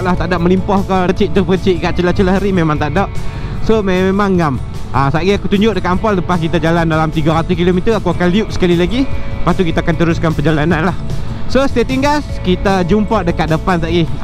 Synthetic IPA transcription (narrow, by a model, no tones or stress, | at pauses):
ʔlaht̪aʔdaʔ̚məlimpɔhkat͡ʃiʔt̪əpəkət͡ʃiʔkaʔt͡ʃəlaht͡ʃələɦɾimemãŋt̪aʔdɔʔ | somemaŋːam | asaʔɡiakut̪uɲd͡ʒʊʔ̚dəkat̪ampalləpaskit̪ad͡ʒalandalamt̪iɡaɾat̪uskilomit̪əakuakanliʊʔsə̥kalilaɡipast̪ukit̪aakant̪əɾuskanpəd͡ʒalananlahsost̪at̪iŋɡaskit̪ad͡ʒumpaʔdəkat̪̚dəpant̪aʔɡi